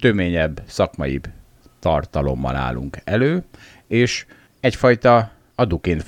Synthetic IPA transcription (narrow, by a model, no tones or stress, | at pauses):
t̪ømeːɲɛbːsɒkmɒjḭb | t̪ɒrt̪ɒlo̞̰mːɒ̰la̰ːlṵŋkɛløː | eːʃ | ɛcfɒjt̪ɒ | ɒd̪ukeːnt̪